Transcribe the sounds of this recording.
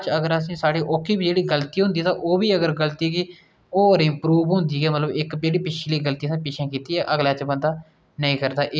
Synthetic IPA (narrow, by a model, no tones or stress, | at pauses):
t͡ʃəɡəɾəs̬ĩːsaːɽiːʔoːkʰːiːbid͡ʒeːɽiːɡəlt̪iːɦʊ̃nd̪iːt̪ãʔoːbiːəɡəɾɡəlt̪iːkɪ | oːɾɪmpɾuːʋɦʊ̃ːnd̪iːɡɛːmət̪ləbɪkd͡ʒeːɽiːpɪt͡ʃʰliːɡəlt̪iːəsĩːpɪt͡ʃʰɛ̃ːkiːt̪iːɛːʔəɡlaːt͡ʃbənd̪aː | nəĩːkəɾd̪aːʔ